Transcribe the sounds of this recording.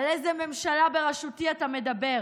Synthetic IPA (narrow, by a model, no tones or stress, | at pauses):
lezeme̞mʃalabeʁaʃutiat̪ame̞d̪abe̞ʁ